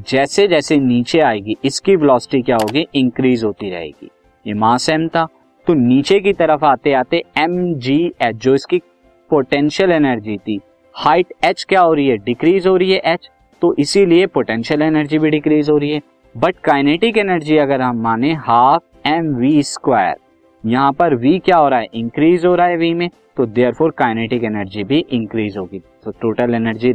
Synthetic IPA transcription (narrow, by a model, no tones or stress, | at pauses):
d͡ʒɛːsed͡ʒɛːseniːt͡ʃeaːeːɡiʔɪskibɪlɔːsɪ̥ʈikjaːɦoːɡiʔɪ̃ŋkɾiːzɦoːt̪iɾɐ̰ɦḛːɡḭː | jemãːsɛːmt̪aː | t̪oniːt͡ʃek̬it̪ɐɾəfaːt̪eaːt̪eɛmd͡ʒiːɛːd͡ʒoːɪski | poːʈɛ̃nʃəlɛːnəɾd͡ʒit̪ʰiː | haːɪʈɛːt͡ʃkjaːɦoːɾiɦɛɖɪkɾiːzɦoːɾiɦɛʔɛt͡ʃ | t̪oʔɪsiliepoʈɛ̃nʃəlɛnəɾd͡ʒibʱiɖɪkɾiːzɦoːɾiɦɛː | bɐʈkaːjneːʈɪkɛnəɾd͡ʒiɐɡəɾɦɐmːaːnẽɦaːf | ɛmʋiskwaːjə̰ɾ | jɐɦãpɐɾʋiːkjaːɦoːɾaːɛʔɪ̃ŋkɾiːzɦoːɾaːɛʋimẽ | t̪od̪eːəɾpʰoːɾkaːjneːʈɪkɛnəɾd͡ʒibʱiʔɪ̃ŋkɾiːzɦoːɡiːt̪oʈoːʈəlɛnəɾd͡ʒi